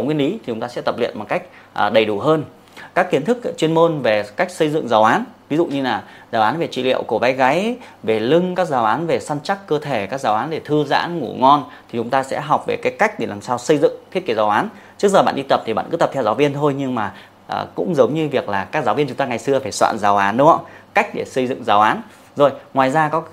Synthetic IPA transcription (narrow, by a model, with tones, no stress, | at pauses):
ŋi˧ənʔi˨˦t̪ʰi˨˩t͡ɕʊ˨˦ŋ͡mt̪aː˧sɛ̰˧˥t̪ə˨˩p̚lḭ˧˨ənmo˨˩t̚ka˦˥jk̟̚ | ʔə˨˩ɗə˨˩jɗu˧˩ɦəː˧n | kaː˦˥kːi˨˦ənt̪ʰɨ˦˥k̚t͡ɕwi˧ənmo˧nve˨˩ka˦˥jk̟̚sə˧jzɨ̰˧˨ŋzaː˨˦wʔaː˨˦nvi˨˦zṵ˧˨ɲɨ˧laː˨˩ | zaː˨˩wʔaː˨˦nve˨˩t͡ɕḭ˧˨lḭ˧əwku˧˩va˨˦jɣa˨˦jve˨˩lɨ˧ŋkaː˦˥k̚zaː˨˦wʔaː˨˦nve˨˩sa˧nt͡ɕa˦˥kkːəː˧t̪ʰe˧˩kaː˦˥k̚zaː˨˦wʔaː˨˦nɗe˧˨˩t̪ʰɨ˧za̰ː˧˥nŋṵ˧˩ŋɔ˧nt̪ʰi˨˩t͡ɕʊ˨˦ŋ͡mt̪aː˧sɛ̰˧˥ɦa˨˩wk͡p̚ve˨˩kaː˨˦jka˦˥k̚ɗe˧˩laː˨˩msaː˧wsə˧jzɨ̰˧˨ŋt̪ʰi˦˥t̚ki˧˩zaː˨˦wʔaː˨˦n | t͡ɕɨ˦˥k̚zə˨˩ɓa̰ː˧˨nɗi˧t̪ə˨˩p̚t̪ʰi˨˩ɓa̰ː˧˨nkɨ˨˦t̪ə˨˩p̚t̪ʰɛ˧wzaː˨˦wvi˧ənt̪ʰo˧jɲɨ˧ŋmaː˨˩ | ʔːkʊ̰˧˥ŋ͡mzə˨˦wŋ͡mɲɨ˧vi˨˩ək̚laː˨˩kaː˦˥k̚zaː˨˦vi˧ənt͡ɕʊ˨˦ŋ͡mt̪aː˧ŋa˨˩jsɨ˧əfaː˧˩jswa̰ː˧˨nzaː˨˩wʔaː˨˦nɗʊ˨˦ə˧˥ka˦˥jk̟̚ɗe˧˩sə˧jzɨ̰˧˨ŋzaː˨˦wʔaː˨˦n | zo˨˩jŋwaː˨˩jzaː˧kɔ˨˦